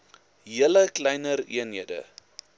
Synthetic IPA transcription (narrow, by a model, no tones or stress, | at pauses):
ɦiələklɛjnəɾḭənɦiədə̰